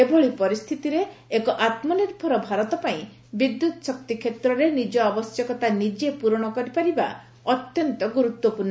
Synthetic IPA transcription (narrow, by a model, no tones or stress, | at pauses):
ebɔɭipɔɾist̪ʰit̪iɾeːkɔʔat̪mɔniɾbʱɔɾɔbʱaɾɔt̪ɔpaĩ | bid̪jut̪ɔ̥sɔk̚t̪ikʰet̪ɾɔɾenid͡ʒɔɔbɔsjɔkɔt̪anid͡ʒepuɾɔɽ̃ɔkɔɾipaɾiba̰ | ɔt̪jɔnt̪ɔɡuɾut̪wɔpuɾnɔ